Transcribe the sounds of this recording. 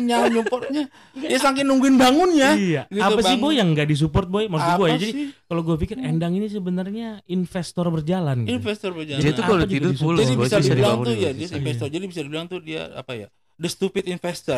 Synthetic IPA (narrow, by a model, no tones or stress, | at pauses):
ɲaupɔrt̪̚ɲa | ajasaŋkɪnːuŋɡuɪnbaŋʊnɲaijaapasɪhboɛjaŋɡaʔdis̬upɔrt̪̚boɛmasiɡuajad͡ʒadikaloɡuafikɪrɛndaŋinis̬əbənərɲainfɛst̪ɔrbərd͡ʒalaninfɛst̪ɔrbəd͡ʒad͡ʒat̪uakaload͡ʒuiɡadʊisuuld͡ʒadiisaiisadiaaŋujadiainfɛst̪ɔrd͡ʒadibisadiluaŋt̪udia̰a̰paja̰ | dəst̪upɪt̪infɛst̪ɔ